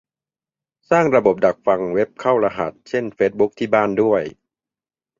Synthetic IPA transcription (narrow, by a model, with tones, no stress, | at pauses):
saː˥˩ŋɾa˧bo˨˩p̚da˨˩k̚fa˧ŋwe˦˥p̚kʰa˥˩wɾa˧ɦa˨˩t̪̚t͡ɕʰe˥˩nfeː˦˥t̪̚bu˦˥k̚t̪ʰiː˥˩baː˥˩ndu˥˩əj